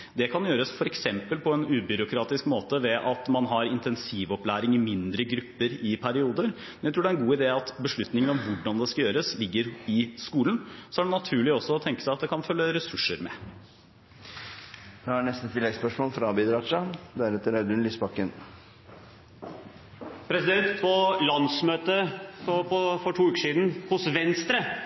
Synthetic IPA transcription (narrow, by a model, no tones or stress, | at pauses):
d̪ɛkʰɑnjøːɾəsfɔɾɛksɛmpəlpʰɔɛnʉːbʏɾʊkʰɾɑːt̪ɪskmoːt̪əʋɛʔɑt̪mɑnɦɑɾɪnt̪ɛnsiːʋɔplæːɾɪŋɪmɪnd̪ɾəɡɾʉpːəɾɪpʰæɾɪuːd̪əɾmmɛnjæɪt̪ɾuːɖɛæɾɛnɡuːɪd̪eːɑt̪bəʂɭʉt̪nɪŋənɔmʋʊɖɑnd̪ɛskɑjøːɾəslɪɡːəɾɪskuːlənsɔæɖɛnɑt̪ʰʉːɭɪɔsːɔɔt̪ʰɛŋkə̥sæɪɑt̪̚d̪ɛkʰɑnfœlːəɾɛsʉʂːəɾmɛ̰ | ʋɛhɑɳɛst̪ət̪ʰɪlːɛɡspœʂmoːlfɾɑbid̪ɾɑt͡ʃɑd̪æɾɛt̪ːəɾæd̪ʉnlisbɑkːən | pʰɾɛsɪd̪ɛnt̪pʰɔlɑnsmøːt̪əfɔpɔfɔʈʰuːʉːkəʂiːd̪n̩hʊsʋɛnst̪ɾə